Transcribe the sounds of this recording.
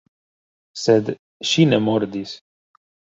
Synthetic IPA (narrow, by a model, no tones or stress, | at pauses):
sɛd̪ | ʃinɛmɔɾd̪is